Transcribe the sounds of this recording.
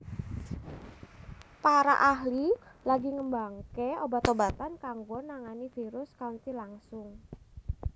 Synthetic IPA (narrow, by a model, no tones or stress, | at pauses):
paɾa̰ʔaɦlilaɡiŋəmbaŋkeobat̪obat̪ankaŋɡonaŋanifiɾʊskaunt̪ilaŋsʊŋ